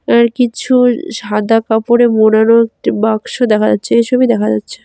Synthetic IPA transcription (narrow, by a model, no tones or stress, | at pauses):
ɛɾkit͡ɕʰuʃad̪akapoɾemonanoek̚ʈibaɡʃod̪ɛkʰad͡ʑatːɕʰeejʃʰobid̪ɛkʰad͡ʑatːɕʰe̥